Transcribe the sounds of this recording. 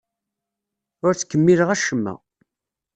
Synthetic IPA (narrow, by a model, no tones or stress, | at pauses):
ʊɾt͡sːə̥kːəmːiləʁæʃəmːæ̰